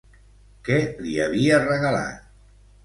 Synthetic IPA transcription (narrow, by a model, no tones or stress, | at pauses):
kɛliaβiərəɣəla̰t̪̚